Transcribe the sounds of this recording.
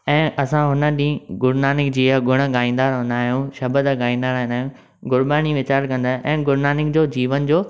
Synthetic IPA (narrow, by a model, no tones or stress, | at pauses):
ɛ̃ːʔɐsãɦʊnə̆ɗĩːɡʊɾnaːnɪk̚d͡ʑiːəɡʱʊɽ̃ə̆ɠaːĩnd̪aːɾɦõnd̪aːɦijũʃɐbəd̪ɡaːĩnd̪aːɾɦɪ̃nd̪aːɦijũ | ɡʊɾɓaːɽ̃iʋɪt͡ɕaːɾkɐ̃nd̪aːɦʔɛ̃ːɡʊɾnaːnɪkd͡ʑoːd͡ʑiːʋənd͡ʑoː